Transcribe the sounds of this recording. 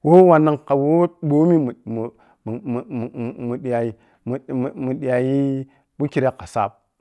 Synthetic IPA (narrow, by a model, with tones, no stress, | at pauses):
wo˦wa˨na˦ŋka˨wo˦ɓo˦mi˦m˨m˨ | mu˨ɗa˨i˨ | m˨mu˨ɗi˨ja˨ji˦ | bu˦ki˨ɾa˦ka˨sa̰˦p̚